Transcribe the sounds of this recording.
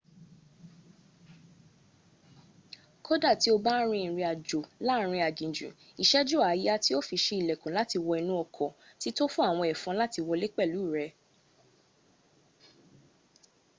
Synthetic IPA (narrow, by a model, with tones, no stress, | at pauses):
kʰo˦da˦˨ti˨˦o˧ba˦ɾ̃ĩ˧ĩ˨ɾ̃ĩ˧a˨d͡ʒo˨la˦ɾ̃ĩ˧a˨d͡ʒĩ˨d͡ʒṵ̃˨ | i˨ʃɛ˦d͡ʒo˦˨a˨˦ja˦ti˦o˦fi˧ʃe˧i˨lɛ˨kũ˨la˦ti˧wɔ˧ɛ˧nũ˦ɔ˧kʰɔ˨ti˦to˦fũ˦a˦˨w̃ɔ̃˧ɛ˨fɔ̃˨˦la˦ti˧wɔ˧le˦k͡pɛ˦˨lu˨˦˨ɾɛ˧